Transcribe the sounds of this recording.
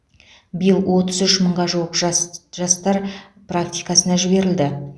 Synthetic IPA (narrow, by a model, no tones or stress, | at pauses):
bijəlˠwʔo̞t̪əzʏʃməɴʁɑʒuwəqʒʒɑst̪ɑɾ | prak̚t̪ʲijkɑsənɑʒɪbe̞ɾɪld̪ɪ